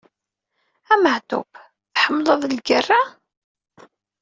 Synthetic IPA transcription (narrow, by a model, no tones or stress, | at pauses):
æməʕt̪ṵp | θħəmːləðˤlɡərːa